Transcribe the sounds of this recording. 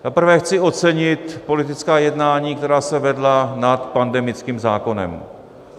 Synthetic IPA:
t̪apr̩vɛxt͡sɪo̞t͡sɛɲɪt̪po̞lɪt̪ɪt͡skaːjɛdnaːɲiːk̚t̪ɛɾaːsɛvɛdlanat̪pandɛmɪt͡skiːmzaːko̞nɛ̰m

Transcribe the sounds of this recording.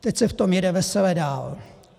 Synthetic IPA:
t̪ɛcsɛft̪omjɛdɛvɛsɛlɛdaːl

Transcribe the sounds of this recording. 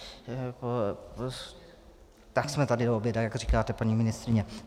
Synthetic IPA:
p | t̪aksmɛt̪adɪdoobjɛdajakɡrikaːt̪ɛpaɲiːmɪnɪst̪ɾɪɲɛ

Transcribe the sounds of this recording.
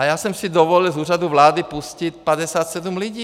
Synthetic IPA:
ajasɔmsid̪ɔʋɔʎilzuːɾad̪uʋlaːd̪ipuscic̪padɛsaːt̪sɛd̪umluɟiː

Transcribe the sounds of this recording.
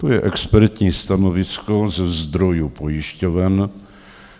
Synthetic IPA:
t̪ojɛʔɛkspɛɾt̪ɲiːst̪anovɪskozɛzd̪ɾo̞jupojɪʃcovɛn

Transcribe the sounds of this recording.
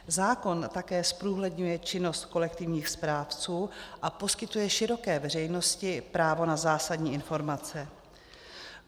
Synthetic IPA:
zaːko̞nt̪akɛːspɾuːɦlɛdɲujɛt͡ʃɪno̞st̪ko̞lɛkt̪ɪvɲiːxspɾaːft͡suːʔapo̞skɪt̪ujɛʃɪɾo̞kɛːvɛr̝ɛjno̞scɪpɾaːvo̞nazaːsadɲiːɪnfo̞ɾmat͡sɛ

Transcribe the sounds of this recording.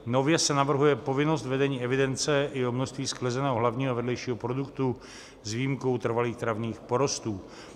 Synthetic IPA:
no̞vjɛsɛnavr̩ɦujɛpo̞vɪno̞st̪vɛdɛɲiːɛvɪdɛnt͡sɛɪjɛɦomnoʃt̪viːsklɛzɛnɛːɦoɦlavɲiːɦovɛdlɛjʃiːɦopɾo̞dukt̪u | zviːmko̞wt̪r̩valiːxt̪ɾavɲiːxpo̞ɾost̪uː

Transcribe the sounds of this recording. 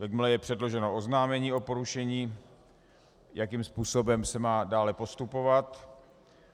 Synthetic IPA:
vɛɡmlɛjɛpr̥ɛdlo̞ʒɛnoʔoznaːmɛɲiːo̞po̞ɾuʃɛɲiː | jʔakiːmspuːso̞bɛmsɛmaːdaːlɛpo̞st̪upo̞vat̪

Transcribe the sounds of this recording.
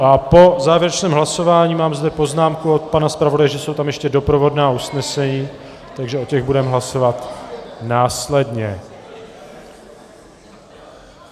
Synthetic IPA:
ʔapo̞zaːvjɛɾɛt͡ʃnɛːmɦlaso̞vaːɲiːmaːmzdɛpo̞znaːmkuot̪̚panaspɾavodajɛʒɛso̞wt̪amjɛʃcɛdo̞pɾo̞vo̞dnaːusnɛsɛɲiː | t̪aɡʒɛo̞cɛɣbudɛmɦlaso̞vat̪naːslɛdɲɛ

